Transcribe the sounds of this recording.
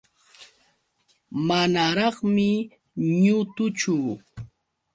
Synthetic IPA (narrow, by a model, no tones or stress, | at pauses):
manaɾɑχmɪ | ɲʊt̪ʊt͡ʃʊ